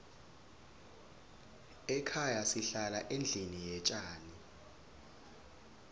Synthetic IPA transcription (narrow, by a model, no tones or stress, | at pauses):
ɛkʰajasiɬalaʔend͡ɮʱinijɛt͡ʃʼaːni